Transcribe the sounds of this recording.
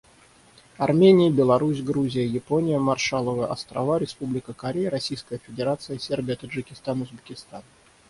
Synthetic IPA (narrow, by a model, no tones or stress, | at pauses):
ɐrmʲenʲɪjəbʲɪlˠɐɾusʲɡɾuzʲɪjəjɪponʲɪjəmɐrʂalˠəvəəʔɐ̰st̪ɾɐ̰vaɾʲɪspublʲɪkəkɐɾʲejəɾɐsʲijskəjəfʲɪdʲɪɾat̪sɨjəsʲerbʲɪjət̪əʐːɨkʲɪst̪anʊzbʲɪkʲɪst̪an